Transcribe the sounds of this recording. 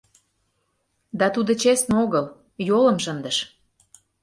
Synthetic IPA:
d̪ɑt̪ud̪ə̆t͡ɕesnoɣəl | jolə̆mʃənd̪ə̆ʃ

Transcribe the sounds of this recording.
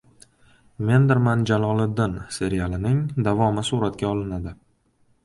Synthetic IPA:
me̞nd̪ɪɾmand͡ʒalˠɒlˠɪd̪ːɪnse̞ɾijalɪnɪŋd̪avɒmɪsuɾat̪kʲaɒlˠɪnad̪ɪ

